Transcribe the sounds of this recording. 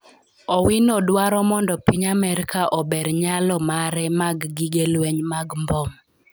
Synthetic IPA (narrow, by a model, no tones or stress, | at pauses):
ɔwinɔdwaɾɔmɔndɔpiɲamɛɾikaʔɔbeɾɲalɔmaɾɛmaɡːiɡelweɲmaɡmbɔm